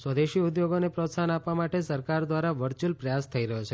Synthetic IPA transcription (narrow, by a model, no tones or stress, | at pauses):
sʋəd̪eʃiud̪joɡonepɾot̪sanapʋamaʈesəɾkaɾd̪ʋaɾaʋəɾt͡ʃulpɾəjast̪ʰəiɾəɦot͡ʃʰe